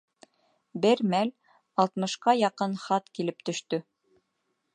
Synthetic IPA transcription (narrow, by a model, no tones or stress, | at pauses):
bɘɾmæl | ɑlˠt̪mɤ̆ʃqɑjɑqɤnχɑt̪kilɘp̚t̪ɵ̆ʃt̪ɵ